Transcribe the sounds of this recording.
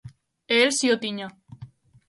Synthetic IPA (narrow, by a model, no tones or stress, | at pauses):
eelsiot̪iɲa